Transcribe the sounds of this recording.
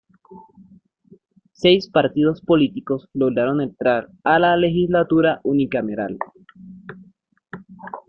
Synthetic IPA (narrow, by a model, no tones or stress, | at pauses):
se̞jspaɾt̪ið̞o̞spo̞lit̪iko̞sloɣɾaɾo̞nent̪ɾaɾalale̞xislat̪uɾaʔunikameɾa̰l